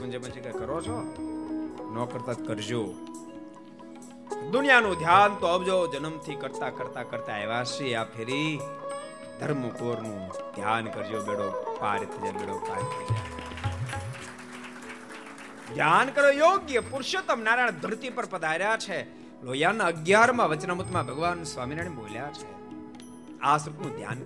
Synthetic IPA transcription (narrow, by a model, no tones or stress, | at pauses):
mənd͡ʒeməd͡ʒekekəɾot͡ʃʰɔ | nɔkəɾt̪at̪kəɾd͡ʒoː | d̪ʊnjanũd̪ʱjaːnt̪oəbd͡ʒod͡ʒənəmt̪ʰikəɾt̪akəɾt̪akəɾt̪aeʋasiapʰeɾi | d̪ʱəɾməkoːɾnũd̪ʱjankəɾd͡ʒobeɽopa̰ɾt̪ʰəd͡ʒebeɽopa̰ːɾt̪ʰəd͡ʒḛ | d̪ʱjaːnkəɾjojoːɡjəpʊɾʃjət̪əmnaːɾaɳ̃d̪ʱəɾt̪ipəɾpəd̪aɾjat͡ʃʰe | loːjanəɡjaɾmãʋət͡ʃnəmut̪mãbʱəɡʋansʋaːmiɾaɳ̃eboljat͡ʃʰe | asɾut̪nũd̪ʱja̰n